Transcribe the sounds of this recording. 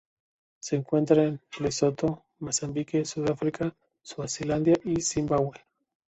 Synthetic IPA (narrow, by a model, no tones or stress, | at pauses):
se̞ːŋkwe̞nt̪ɾaenlesot̪o | masambikesuðafɾika | suasiland̪jaʔisimbaɣwe